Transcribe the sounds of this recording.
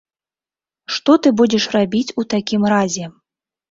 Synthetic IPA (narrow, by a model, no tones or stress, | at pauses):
ʂt̪ɔt̪ɨbud͡zʲɛʂrabʲit͡sʲut̪akʲimrazʲɛ